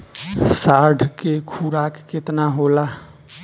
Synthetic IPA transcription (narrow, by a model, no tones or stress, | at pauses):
saɖʱkekʰuɾakːet̪naɦola